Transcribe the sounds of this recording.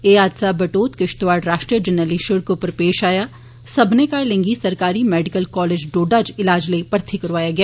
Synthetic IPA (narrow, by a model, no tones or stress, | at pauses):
eːaːd̪sabɐʈoːt̪kɪʃʈ̪ʋaːɽɾaːʃʈɾiəd͡ʒɐnəliʃʊɾkopəɾpeːʃaːja | sɐbʱnekalẽŋɡisɐɾkaːɾimɛːɖɪkəlkɔːleːd͡ʒɖoːɖaːd͡ʒɪlaːd͡ʒlepɐɾt̪ʰikɐɾʋaːjaɡɐjaː